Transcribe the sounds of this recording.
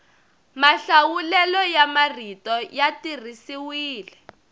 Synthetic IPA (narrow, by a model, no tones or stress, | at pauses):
maɬawulɛlɔjamar̤itɔjatir̤isiwiːlɛ